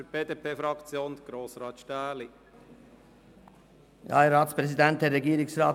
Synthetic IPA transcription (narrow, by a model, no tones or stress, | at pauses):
fyɾb̥eːd̪eːpʰeːfɾɑkt͡sjoːnd̪ɡ̥ɾoːsɾɑːt̪ʃtæːli | jɑ̰ːɛɾɑːt̪spɾɛsid̪ɛnt̚dɛɾːɛɡiːɾɪksrɑː